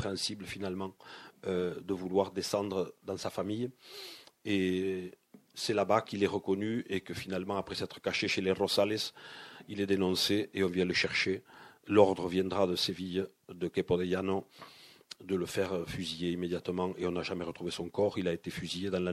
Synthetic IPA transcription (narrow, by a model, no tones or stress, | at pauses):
pχeɛ̃sibləfinalmɑ̃ød̪əvulwaʁd̪esɑ̃nd̪ʁəd̪ɑ̃safamij | e | sɛlabakilɛʁəkɔnyekəfinalmɑ̃apχɛsɛt̪χə̥kaʃeʃeleʁɔzalɛsilɛd̪enɔ̃seeɔ̃vjɛ̃ləʃɛʁʃelɔʁd̪ʁəvjɛ̃nd̪ʁad̪əsevijd̪əkepod̪ejano | d̪ələfɛʁfyzijeimed̪jat̪əmɑ̃ŋeɔ̃naʒamɛʁət̪χuvesɔ̃ŋkɔʁilaet̪efyzijed̪ɑ̃la